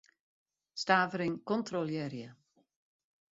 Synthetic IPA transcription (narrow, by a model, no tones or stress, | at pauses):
staːvəɾiŋkɔntroljɛɾjə